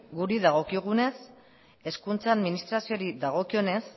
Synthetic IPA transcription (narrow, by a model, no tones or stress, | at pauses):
ɡuɾiðaɣ̞o̞kiɣ̞une̞s | e̞skunt͡saaðminist̪ɾasio̞ɾiðaɣ̞o̞kio̞ne̞s